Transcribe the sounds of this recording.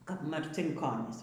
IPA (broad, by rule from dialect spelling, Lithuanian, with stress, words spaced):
kɐp mɐrʲt͡sʲɪŋˈkoːnʲiːs